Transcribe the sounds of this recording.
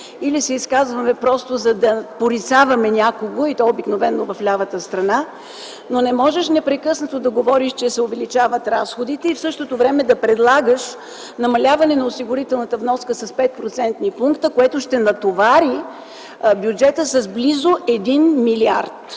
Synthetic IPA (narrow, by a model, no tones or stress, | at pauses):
ilisɛiskazvɐmɛpɾɔst̪ozɐd̪ɐpoɾit̪savɐmɛnʲakoɡoit̪ɔobiknovɛnːovɐflʲavət̪əst̪ɾɐna | nonɛmɔʒɛʃnɛpɾɛkɤsnɐt̪od̪ɐɡovɔɾiʃt͡ʃɛsɛovɛlit͡ʃavət̪ɾasxod̪it̪ɛifsɤʃt̪ot̪ovɾɛmɛd̪ɐpɾɛd̪lˠaɡəʃ | nɐmɐlʲavɐnɛnɐosiɡʊɾit̪ɛlˠnɐt̪əvnɔskəsɐspɛt̪̚pɾot̪sɛnt̪nipuŋkt̪əkoɛt̪ʊʃt̪ɛnɐt̪ovaɾi | bʲjud͡ʒɛt̪əsɐzblizoʔɛd̪inmiliaɾt̪